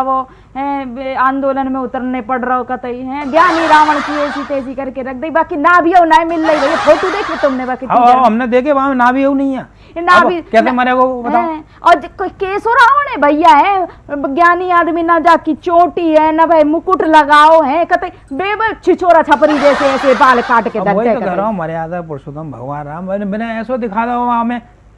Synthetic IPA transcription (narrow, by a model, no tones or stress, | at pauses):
o | ɦɛ̃ːãːnd̪oːlənmẽʊt̪əɾnepɐɽɾɐɦokɐt̪əiɦɛ̃ːɡjaːniɾaːʋəɽ̃kieːsit̪eːd͡ʒikɐɾkeɾɐk̚ʰd̪əibaːkinabʱiɐunaːẽmɪlːaibʱɐjapʰoːt̪ud̪eːkʰbet̪ʊmnebaːkiɦɐmned̪eːkeʋɐamẽnabʱiɐɦunɐɦĩɛː | nabʱikɛːsemɐnekobɐt̪a | ɔːɾkkeːsoɾaonɛ̃bʱɐijaɦɛ̃ɡjaːniaːd̪minad͡ʒaːkit͡ʃoːʈiɦɛ̃ːnɐbʱaimʊkʊʈlɐɡaːoɦɛ̃kɐt̪əi | beːbt͡ʃʰɪt͡ʃʰoːɾat͡ʃʰɐpɾid͡ʒ̪eːseɛːsebaːlkaːʈked̪ɐoːikɐɾãmɐɾjaːd̪apʊɾʃʊt̪əmbʱɐ̰ɡwaːnɾaːmbneɛːsod̪ɪkʰaːd̪aoaːmẽ